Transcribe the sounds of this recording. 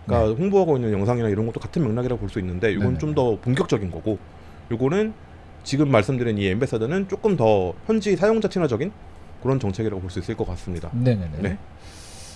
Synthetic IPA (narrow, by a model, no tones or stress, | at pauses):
k͈aɸoŋbuɦaɡoinːɯnjʌŋsʰaŋinaiɾʌnɡʌt͈o̥katʰɯnmjʌŋnaɡiɾaɡopoɭs͈uinːɯnde̞joɡʌnɯt͡ɕomdʌpoŋkjʌk̚t͡ɕ͈ʌɡinɡʌɡo | joɡʌnɯn | t͡ɕiɡɯmːaɭs͈ɯmdɯɾiniembes͈ʰadɯnɯnt͡ɕ͈ok͈ɯmtʌçjʌnd͡ʑisʰajoŋd͡ʑat͡ɕʰinɦwad͡ʑʌɡin | kɯɾʌnt͡ɕʌŋt͡ɕʰe̞ɡiɾaɡopoɭs͈uis͈ɯɭk͈ʌk͈as͈ɯmɲida̰nenene̞